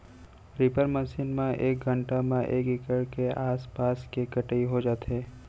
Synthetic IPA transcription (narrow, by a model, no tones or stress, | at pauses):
ɾɪpəɾməsiːnmẽʔeːk̚ɡʱə̃ɳʈamẽʔeːkɪkəɽkeʔaːspaːskekəʈəiɦod͡ʒaːt̪ɦeː